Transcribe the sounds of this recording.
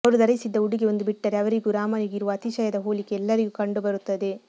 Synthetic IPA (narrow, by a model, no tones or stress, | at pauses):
ɐʋɐɾud̪ɐɾɐsid̪ːɐuɽiɡeond̪ubiʈːɐɾeɐʋɐɾiɡuɾaːmɐniɡɪɾɯʋɐːt̪it͡ʃɐjɐd̪ɐɦoːlikːeɛlːɐɾiɡukɐɳɖubɐɾut̪ːɐðe